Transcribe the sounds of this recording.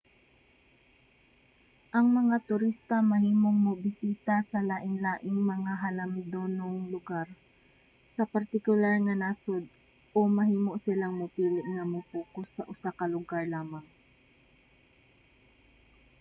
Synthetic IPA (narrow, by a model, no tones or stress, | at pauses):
ʔɐŋmɐŋat̪ʊɾist̪ɐmɐhiːmoŋmʊbɪsiːt̪asɐlaːʔɪnlaːʔɪŋmɐŋaɦɐlɐmd̪onoŋlʊɡaɾ | sɐpɐɾt̪ɪkʊlaɹŋɐnasod̪̚ | ʔomɐhiːmoʔsɪlaŋmʊpiːlɪʔŋɐmʊpuːkʊsːɐʔʊsakɐlʊɡaɹlaːmɐŋ